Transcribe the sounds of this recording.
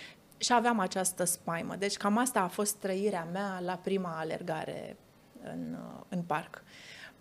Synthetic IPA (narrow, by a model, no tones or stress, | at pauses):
ʃiaveamat͡ʃast̪əspajmə̰d̪e̞t͡ʃʲkamast̪aːfo̞st̪ːɾəiɾeamealapɾimaːle̞̰rɡa̰ɾe̞̰ | ɨ̰nɨnpark